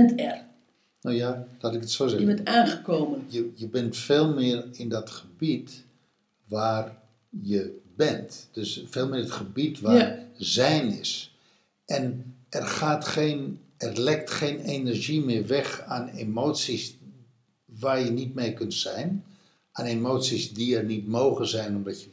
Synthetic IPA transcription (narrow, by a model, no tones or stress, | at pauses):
ntɛr | nojadatɪkətsoːzɛəntaːnxəkoːməjəjəbɪntfeːlˠmɪːərɪndɔtxəbit | ʋaːr | jəbɪntd̥øsfeːlˠmɪːrətχəbitʋazɛjnɪ̰s | ʔɛnɛrxaːtxeːnɛrlɛk̚txeːnenərʒimɪːrʋɛxaːnemoːt͡sis | ʋaːrjənit̚meːkɵntsɛ̰jn | anemoːtsisdiɛrnitmoːɣəzɛjnɔmdɔtjə